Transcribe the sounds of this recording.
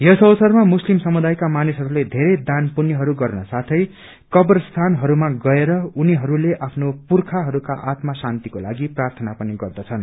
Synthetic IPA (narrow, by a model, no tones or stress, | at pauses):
jʌsʌwsʌrmamuslimsʌmud̪ajkamanisɦʌɾuled̪ʱeɾʌd̪anpunjʌɦʌɾuɡʌrnʌsat̪ʰʌj | kʌbʌrst̪ʰanɦʌɾumaɡʌeɾʌuniɦʌɾuleʔapʰnopurkʰaɦʌɾukaʔat̪masant̪ikola̰ɡiprart̪ʰʌnapʌniɡʌrd̪ʌt͡sʰʌn